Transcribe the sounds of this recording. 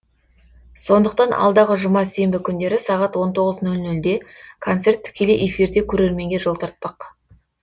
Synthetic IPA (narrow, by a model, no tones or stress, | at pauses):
so̞nd̪əq̚t̪ɑnʔɑ̰lˠd̪ɑʁəʒʊmɑse̞mbɪkʲʰʏnd̪e̞ɾɪsɑʁɑt̪wo̞nt̪ʰo̞ʁəznɵlnɵld̪e̞kʰo̞nt̪se̞rt̪ʰːʏ̥kʲe̞leʔefiɾd̪e̞kʲʰɵɾe̞ɾme̞ŋɡʲe̞ʒo̞lˠt̪ʰɑɾt̪̚pɑq